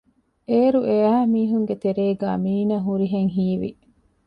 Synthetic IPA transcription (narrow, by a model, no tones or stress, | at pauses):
eːɾuʔeæmiːɦuŋɡet̪eɾeːɡæ̰ːmiːnɐɦuɾiɦeŋɦiːʋḭ